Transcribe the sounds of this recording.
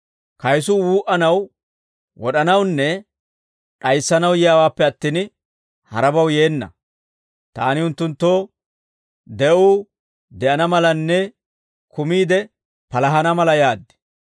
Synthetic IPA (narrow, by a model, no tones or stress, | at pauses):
kɐjsʊwuːʔɐnɐw | wɔɗɐnɐwnːɛ | ᶑɐjsːɐnɐwjɪjaːwaːpːɛɐt̪ːiːn | hɐ̰ɾɐbɐwje̞ːnːɐ̰ | t̪a̰ːnɪʊnt̪ːʊnt̪ːoː | d̪ɛʔuː | d̪ɛʔɐnɐmɐlɐnːɛ | kʊmiːd̪ɛ | pɐlɐɦɐnɐmɐlɐjaːd̪ːɛ̥